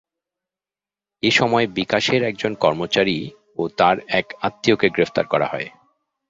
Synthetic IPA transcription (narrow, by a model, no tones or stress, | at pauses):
eʃɔmɔebikaʃeɾɛk̚d͡ʑonkɔɾmot͡ɕaɾi | ot̪aɾɛkat̪ːiokeɡɾeft̪aɾkɔɾa̰ɦɔe